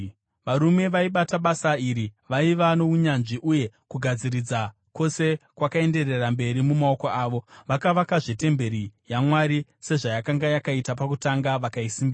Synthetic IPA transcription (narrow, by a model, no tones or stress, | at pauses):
ʋaɾume̞ʋaiɓataɓasaiɾiʋaiʋano̞uɲanʐiʔuje̞kuɡʱad͡zirid͡za | ko̞se̞kwakae̞nde̞re̞rambe̞ɾimumao̞ko̞aːʋo̞ʋakaʋakaʐete̞mbe̞ɾijamwaɾise̞ʐajakaŋɡajakaitapakutaŋɡaʋakaisimbia